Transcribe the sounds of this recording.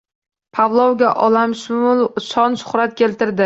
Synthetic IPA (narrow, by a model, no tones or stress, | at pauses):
pʰavlˠɒwɡʲaʔɒlamʃʊlʃɒnʃʊ̥χɾat̪̚kʲe̞lt̪ɪɾd̪ɪ